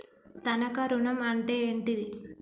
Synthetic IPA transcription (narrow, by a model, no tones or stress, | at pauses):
t̪ɐnɐkɐɾunɐmɐɳʈeːɳʈid̪i